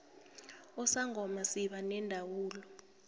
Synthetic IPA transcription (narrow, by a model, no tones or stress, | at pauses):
ɔsaŋʱɔmasiɓanɛndʱawuːlɔ